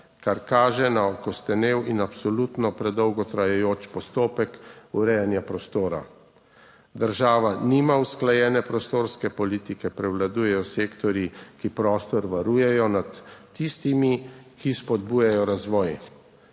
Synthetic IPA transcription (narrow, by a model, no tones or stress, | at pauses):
kaɾkaːʒɛnaɔkɔst̪ɛnewinapsɔlut̪nɔpɾɛd̪ɔwɡɔt̪ɾajɛjoːt͡ʃpɔst̪oːpɛkuɾɛjanjapɾɔst̪oːɾa̰ | d̪əɾʒaːʋaniːmausklajɛːnɛpɾɔst̪oːɾskɛpɔliːt̪ikɛpɾɛwlad̪uːjɛjɔseːkt̪ɔɾjikipɾɔːst̪ɔɾʋaɾuːjɛjɔnat̪ːist̪imikʰispɔd̪buːjajɔɾazʋɔːj